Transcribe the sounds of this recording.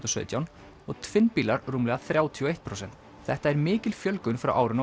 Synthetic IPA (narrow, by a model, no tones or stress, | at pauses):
t̪ɔsœ̰ːt̪ja̰wn | ɔɣt̪ʰvɪnːpiːlaɾruːmlɛɣaθɾjaːwt̪ʰiɔejht̪̚pʰɾowsɛn̥t̪ | θɛht̪aɛɾmɪːcɪlfjœlkʏnfɾa̰wʔa̰ːwɾʏna